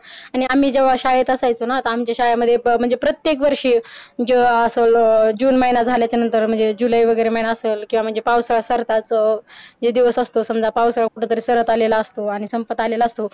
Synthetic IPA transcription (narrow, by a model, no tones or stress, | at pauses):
aɽ̃iamiːd͡ʑeʋ̤aɕajət̪əsajt͡sonat̪aːmt͡ɕjaɕajaməd̪ʱːjem̤əɳd͡zepɾət̪jekʋəɾʂiːd͡ʑeəsəld͡ʑuːnməjnad͡zʱaljat͡ɕanənt̪əɾm̤əɳd͡zed͡ʑulaiʋəɡəjɾeməjnaəselkĩw̃ʋam̤əɳd͡zepaʋsəɭasəɾt̪at͡s | d͡ʑed̪iʋəsəst̪osəmd͡zʱapaʋsəɭakuʈʰõt̪əɾesəɾət̪alelaːst̪oaɽ̃isəmpət̪alelaːst̪o